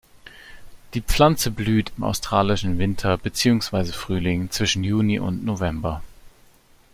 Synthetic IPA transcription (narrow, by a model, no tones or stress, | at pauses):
d̥iːp͡fl̥ant͡səblyːtʰɪma̰ʊstʁ̥aːlɪʃn̩vɪntʰɐbət͡siːʊŋsv̥aɪzəfʁ̥yːlɪŋt͡sv̥ɪʃn̩juːniʔʊ̰ntnovɛmbɐ